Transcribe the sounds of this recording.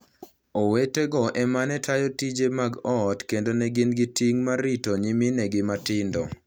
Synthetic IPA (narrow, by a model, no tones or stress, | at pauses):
oweteɡɔʔɛmanɛtʰajotid͡ʒemaɡɔtkendonɛɡɪnɡɪtiŋmaɾitoɲiminɛɡɪmatɪndɔ̰